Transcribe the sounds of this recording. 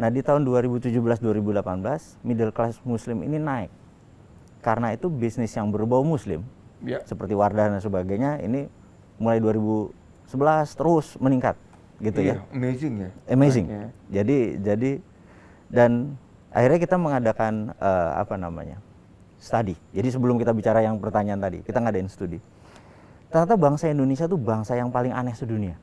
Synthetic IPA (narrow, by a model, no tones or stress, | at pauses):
nahdit̪aʊnduaɾibut̪ud͡ʒubəlasduaɾibudəlapanbəlas | midɛlklasmuslɪmḭninaɪkː | aɾənait̪ubisnɪsjaŋbəɾubawamuslɪ̰msəpərt̪iwardanansəbaɡajɲaḭni | mulajduaɾibu | səbəlast̪əɾʊsməniŋkat̪̚ | ɡit̪ujamezɪŋəmezɪŋd͡ʒadid͡ʒadi | dan | ʔa̰hirɲakit̪aməŋadakanə̰a̰pana̰ma̰ɲa̰ | st̪adid͡ʒadis̬əbəlʊmkit̪abit͡ʃaɾajaŋpərt̪aɲaant̪adḭkit̪aŋadaɪnsə̥t̪udi | t̪ərɲat̪̬abaŋsaindonesiat̪ubaŋsajaŋpalɪŋʔa̰nɛsədunia